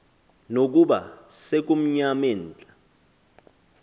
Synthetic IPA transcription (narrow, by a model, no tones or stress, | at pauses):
nok̬ʼuɓa̰sek̬ʼum̩ɲamen̩ːt͡ɬʼa